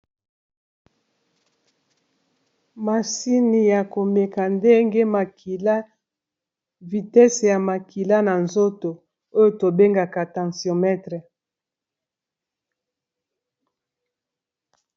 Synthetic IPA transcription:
ma˨si˦ni˨ja˨ko˨me˨ka˨nde˦ŋɡe˦ma˨ki˨la˦ | vi˨tɛ˦se˨ja˨ma˨ki˨la˦na˨nzo˦to˨ | o˦jo˨to˨be˦ŋɡa˨ka˨tã˨sjɔ˨mɛ˦tʁɛ˨

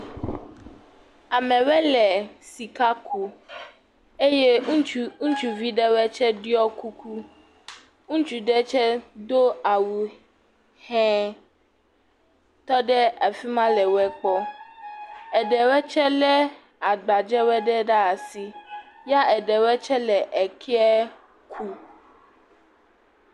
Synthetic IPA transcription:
a˨mɛ̃˨wɛ˦lɛ˨si˨ka˦ku˨ | e˦je˦ŋũ˦t͡ʃu˨vi˦ɖɛ˦wɛ˦t͡ʃɛ˦ɖi˦ɔ˦ku˦kʰu˦ | ŋũ˦t͡ʃu˨ɖɛ˦t͡ʃɛ˦d̪o˦a˨wu˨ | hɛ̃˦ | t̪ɔ˦ɖɛ˦a˨fi˦mã˦lɛ˨wɛ˦k͡pɔ˦ | ɛ˨ɖɛ˨wɛ˦t͡ʃɛ˦lɛ˦ | a˨ɡ͡ba˨d͡ʒɛ˦wɛ˦ɖɛ˦ɖa˦a˨si˨ | ja˦ʔɛ˨ɖɛ˨wɛ˦t͡ʃɛ˦lɛ˨ʔɛ˨kʰi˦ɛ˦ | kʰu˦

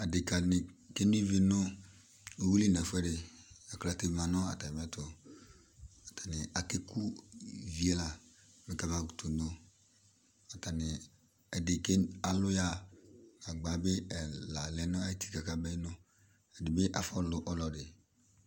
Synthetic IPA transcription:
a˨dɪ˨ka˨nɪ˨ke˦n˦i˦vi˨nʊ˦ | o˨wu˦li˦˨na˨fʊ˦ɛ˦ɾɪ˨a˨kla˨tɪ˨mã˨nɔ˦a̰˨ta˨mɛ˦tʊ˨ | a˨tʰḁ˨nɪ˨a˨kɪ˦ku˦vi˨ɛ˦la˨ | mɪ˨ka˨ba˦˨ɡu˨tʰu˨no˦ | a˨ta˨nɪ˨ | ɛ˨dɪ˨ke˦a˨lʊ˦ja˦ka˨ɡ͡ba˨˦bɪ˦ɛ˨la˨lɛ˨˦nʊ˦a˦i˦tʰi̥˦ka˨ka˨bɛ˦nʊ˦ | ɛ˨dɪ˨bɪ˦ʔa̰˨fɔ˦˨lʊ˨ʔɔ˦lɔ˨dɪ˨

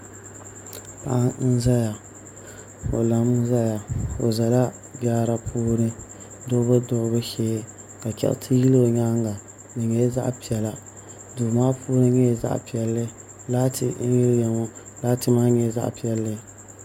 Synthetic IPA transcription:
pa̰˦˨ʔa˦n̩˦za˦ja˨ | o̰˨la˨m˦za˦ja˨o̰˨za˨la˦ | baː˦ɾa˦pʰuː˦ɾɨ˦ | dʊ˦bɨ˦dʊ˦ʔbɨ˦ʃeː˦ | ka˨kɛ̰˨ʔtʰɨ˦ji˦lo˨ɲa˦ŋɡa˨ | nɨ˨ɲɛ˦za̰˦ʔpi˨ɛ˨la˦ | duː˨maː˦pʰuː˦ɾɨ˦ɲɛ˦˨za̰˦ʔpi˨ɛ˨lːɨ˦ | laː˦tʰɪ˨˦ji˦jɛ˨ŋo˦ | laː˦tɨ˦maː˦ɲɛ˦za̰˦ʔpi˦ɛ˦lːɨ˦

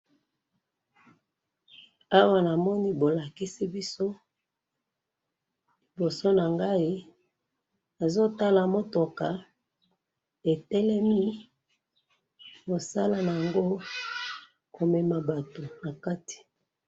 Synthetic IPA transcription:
a˦wa˦na˨mɔ˦ni˦bo˨la˨ki˦si˦bi˦so˦ | li˨bo˨so˦na˨ŋɡa˦i˦ | na˨zo˦ta˦la˨mo˦to˨ka˨ | e˨tɛ˦lɛ˦mi˦ | bo˨sa˦la˨na˨ja˨ŋɡo˦ | ko˨me˨ma˨ba˨to˨na˨ka˦ti̥˨

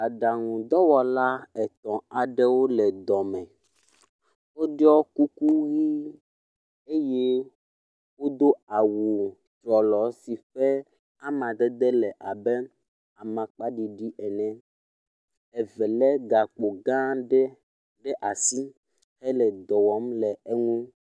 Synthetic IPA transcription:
a˨ɖa˨ŋũ˨d̪ɔ˦wɔ˨la˦ɛ˨t̪ɔ̃˨a˨ɖɛ˦wo˦lɛ˨d̪ɔ˨mɛ̃˨ | wo˦ɖɔ˦ku˦ku˦ɣi˦ | e˦jɛ˦ | wo˦d̪o˦a˨wu˨ | t̪ɾɔ˨lɔ˨si˨ɸɛ˦ | a˦mã˨d̪ɛ˦d̪ɛ˦lɛ˨ʔa˨bɛ˦ | a˨mã˨k͡pa˦ɖi˨ɖi˦ʔɛ˨nɛ̃˨ | ɛ˨vɛ˨lɛ˦ɡa˨k͡po˨ɡã˦ | ɖɛ˦ʔa˨si˦ | hɛ˦lɛ˨d̪ɔ˨wɔ˨˦mlɛ˨e˦ŋũ˦

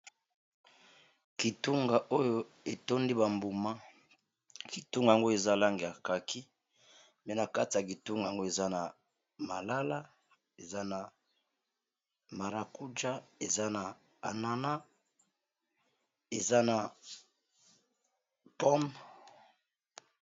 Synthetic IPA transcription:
ki˨tu˦ŋɡa˨ʔo˦jo˦ | e˨to˦ndi˦ba˨mbu˨ma˦ | ki˨tu˦ŋɡa˨a˨ŋɡo˦e˨za˦˨la˦ŋɡe˨ja˨ka˨kʰi˦ | mɛ˦na˨ka˦ti˨ja˨k̬i˨tu˦ŋɡa˨ŋɡo˦e˨za˦na˨ | ma˨la˦la˦ | e˨za˦na˨ | ma˨ɾa˨ku˦d͡ʒa˦e˨za˦na˨ | a˨na˦na˦ | e˨za˦na˨ | pɔ˦m

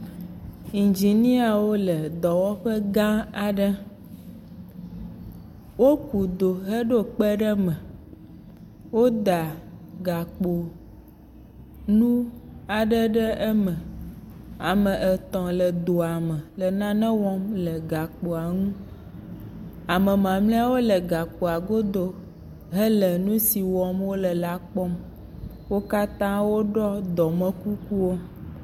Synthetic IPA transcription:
i˨nd͡ʒi˨nĩ˦a˨wo˦lə˨d̪ɔ˨wɔ˦ɸə˦ɡã˦a˨ɖə˦ | wo˦ku˨d̪o˨ɦə˦ɖo˦k͡pə˦ɖə˦mɛ̃˨ | wo˦d̪a˨ɡa˨k͡po˨ | nũ˦a˨ɖə˦ɖə˦ʔɛ˦mə̃˨ | a˨mə̃˨ʔɛ˨t̪ɔ̃˨lə˨d̪o˨a˨mə̃˨lə˨nã˦nɛ̃˦wɔ˦mlə˨ɡa˨k͡po˨a˨ŋũ˦ | a˨mə̃˨mã˨mlɛ˦a˦wo˦lə˨ɡa˨k͡po˨a˨ɡo˦d̪o˦ | ɦə˦lə˨nũ˦si˨wɔ˦mwo˦lə˨la˦k͡pɔ˦m | wo˦ka˦t̪ã˦wo˦ɖɔ˦d̪ɔ˨mɛ̃˦ku˦ku˦wo˦

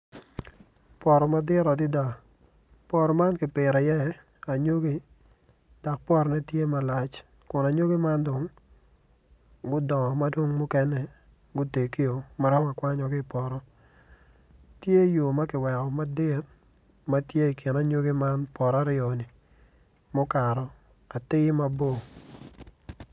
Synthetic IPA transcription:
pɔ˨ɾɔ˨ma˦dɪ˦ɾɔ˨dɪ˦da˨ | pɔ˦ɾɔ˨ma˦nkɪ˨pɪ˨ɾa˨jɛ˦ | a˨ɲo˦ɡi˦ | d̥a˨k̚pɔ˦ɾɔ˨nɛ˦tje˦ma˨la˨t͡ʃ | kʊ˨na˨ɲo˦ɡe˦ma˦ndo˨ŋ | ɡʊ˦dɔ˨ŋɔ˨ma˦dwo˦ŋmʊ˦kɛ˦nɛ˦ | ɡʊ˦te˨ki˦o˨ma˦ɾɔ˦ma˨kwa˦ɲɔ˨ɡɪ˦˨pɔ˨ɾɔ˦ | tje˦jo˨ma˦kɪ˨wɛ˨kɔ˨ma˨dɪ˦t̚ | ma˦tje˦i˨kʰɪ˨na˦ɲo˦ɡi˦ma˦npɔ˨ɾa˦ɾɪo˨ni˨ | mɔ˦ka˨ɾɔ˨ | ka˨tɪ˦ma˦bo˦˨

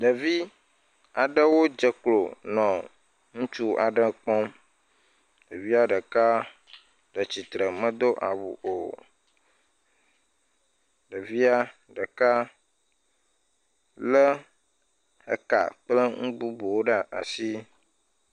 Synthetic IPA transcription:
ɖə˨vi˦ | a˨ɖə˦wo˦d͡ʒə˨klo˨nɔ̃˨ | ŋũ˦t͡ʃu˦a̰˨ɖə˦k͡pɔ˦m | ɖə˨vi˦a˦ɖə˨ka˦ | ɖə˨t͡ɕi˨t̪ɾə˨mə̃˦d̪o˦ʔa̰˨wṵ˨ʔo˨ | ɖə˨vi˦a˦ | ɖə˨ka˦ | lə˦ | hə̰˨ka̰˨k͡plə˦ŋũ˦bu˦bu˨wo˦ɖə˦ʔa̰˨si˦

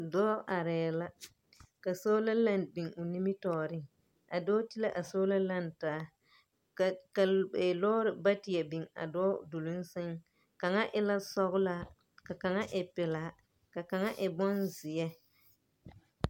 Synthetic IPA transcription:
dɔː˦ʔa˨ɾɛː˨la˦ | ka˨so˦la˦la˦nbi˨ŋʊ˨ni˦mi˦tɔː˨ɾɪ˦ŋ | a˨dɔː˦ti˦la˦ʔa˨so˦la˦la˦˨ntaː˨˦ | ka˨bɛ˨lɔː˦ɾɪ˨ba˦tɪ˨jɛ˨bɪ˨ŋa̰˨dɔː˦du˨lu˦n˦sɪ˦ŋ | ka˨ŋa˦ʔɪ˦la˦sɔ˦ɣʊ˦la˦˨ | ka˨ka˨ŋa˦ʔɪ˨pɪ˨la˨˦ | ka˨ka˨ŋa˦ʔɪ˨bɔ˦nzɪ˨jɛ˦

